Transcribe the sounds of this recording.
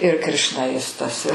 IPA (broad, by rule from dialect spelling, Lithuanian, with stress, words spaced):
ɪr krʲɪʃnɐˈjɪstɐs ɪ